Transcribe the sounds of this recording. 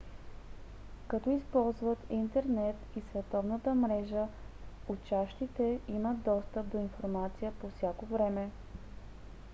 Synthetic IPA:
kɐt̪ɔispɔlˠzvət̪int̪ɛɾnɛt̪isvɛt̪ɔvnət̪əmɾɛʒəʊt͡ʃaʃt̪it̪ɛiməd̪d̪ɔst̪əp̚d̪oinfoɾmat̪sijəpofsʲjakovɾɛmɛ

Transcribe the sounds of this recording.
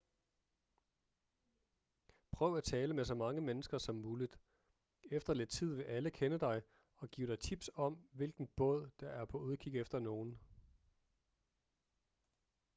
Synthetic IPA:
pʰʁœʊæt͡sʰɛːləmesɒ̽mɑ̈ŋəmenəsɡ̥ɐsɒ̽mːuːlid̥ | efd̥ɐled̥̚t͡sʰið̞̰ˠʋe̝ʔæləkʰenəd̥ɑ̈ɪ | ɒ̽ɡ̥ḭːʊɾ̥ɑ̈ɪt͡sʰib̥sɒ̽mʋe̝lɡ̥n̩b̥ɔ̽ð̞̰ˠd̥ɑ̈ʔæɐpʰɒ̽uðˠkʰiɡ̥efd̥ɐno̝ːn̩

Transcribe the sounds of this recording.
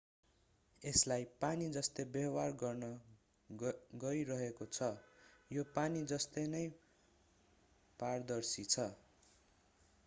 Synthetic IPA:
eslajpanid͡zʌst̪ʌbʌwarɡʌrnʌ | ɡʌiɾʌɦekot͡sʰʌjopanid͡zʌst̪ʌnʌj | pard̪ʌrsit͡sʰʌ

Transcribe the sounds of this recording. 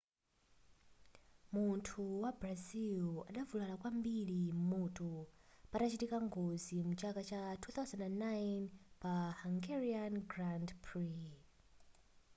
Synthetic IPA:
muntʰuwabrazila̰ɗavulalakwambilimutupatat͡ʃitikaŋɡozimut͡ʃakat͡ʃatʰuθawzandanːajnpahaŋɡɛɹianɡrandpʰɹi

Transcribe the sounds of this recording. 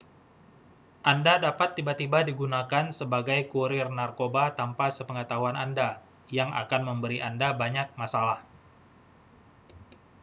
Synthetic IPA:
ʔandadapat̪ːibat̪ibadiɡunakansəbaɡajkuɾɪrnarkobat̪ampasəpəŋət̪aɦuananda | jaŋʔa̰kanməmbəɾiʔandabaɲak̚masalah

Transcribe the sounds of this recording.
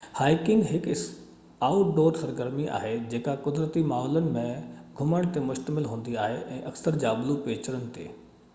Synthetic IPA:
haːɪkɪ̃ŋɡɦɪkɪ | aːʊʈɖoːɾsɐɾɡəɾmiʔa̰ːɦed͡ʑeːkakʊd̪ɾət̪imaːɦɔːlənɪ̆mẽɡʱʊməɽ̃t̪emʊʃt̪əmɪlɦũːn̆d̪iaːɦeʔɛ̃ːʔɐksəɾd͡ʑaːblupeːt͡ɕəɾənɪ̆t̪ḛː

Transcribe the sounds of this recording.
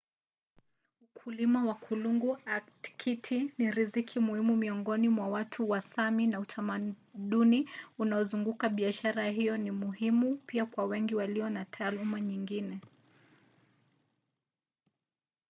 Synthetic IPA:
ukʰulimawakʰuluŋɡuaktkʰitʰiniɾizikʰimuhimumiɔŋɡɔnimwawatʰuwasaminautʰamaɗuniunaɔzuŋɡukaɓiaʃaɾaɦijɔnimuhimupiakwawɛŋɡiwaliɔnatʰaːlumaɲiŋɡinɛ

